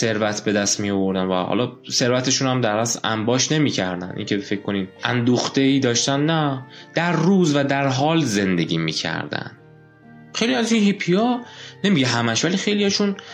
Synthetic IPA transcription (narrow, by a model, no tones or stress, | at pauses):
se̞ɾvæt̪ʰbe̞d̪æst̪mijovo̞ɾd̪ænvæ̰hɒ̰lɒse̞ɾvæt̪ʰe̞ʃuːnæmd̪æɾæslæ̰mbɒːʃne̞miːcʰæɾd̪æ̰nʔḭŋcʰefe̞cʰːko̞niːmʔæ̰nd̪uːxt̪e̞iːd̪ɒːʃt̪ænːæd̪̥æɾːuːzvæd̪æɾɦɒːlze̞nd̪e̞ɟiːmḭːcʰæ̰ɾd̪æ̰nd̪ | xejliæzʃinhipʰiɒne̞miɟeɦæmæʃvælixe̞jlijɒʃun